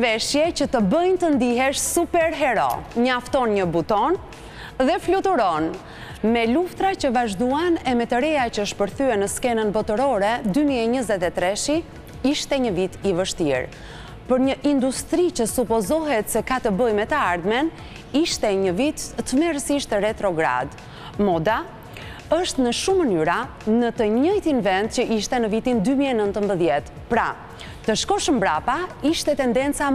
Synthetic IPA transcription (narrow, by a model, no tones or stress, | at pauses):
vɛʃjɛcət̪əbəjnt̪ənd̪iɦɛʃsupɛɾɦɛɾɔ̰ɲaft̪ɔnɲəbut̪ɔn | ðɛflut̪uɾɔn | mɛluft̪ɾat͡ɕəvaʒd̪uanɛmɛt̪əɾɛat͡ɕəəʃpəɾθyɛnəskɛnənbɔt̪əɾɔɾɛd̪ymiɛɲəzɛt̪ɛt̪ɾɛʃi | iʃt̪ɛɲəvit̪ivəʃt̪ḭɾ | pəɾɲəʔind̪ust̪ɾit͡ɕəsupɔzɔɦɛt̪sɛkat̪əbəjmɛt̪əaɾðmɛn | iʃt̪ɛɲəvit̪ːəmɛɾsiʃt̪rɛt̪ɾɔɡɾa̰d̪ | mɔd̪a | əʃt̪nəʃumənyɾa | nət̪əɲəjt̪invɛnd̪cəʔiʃt̪ɛnəvit̪ind̪ymiɛnənt̪əmbəðjɛt̪ | pɾa | t̪əʃkɔʃəmbɾapaiʃt̪ɛt̪ɛnd̪ɛnt͡sa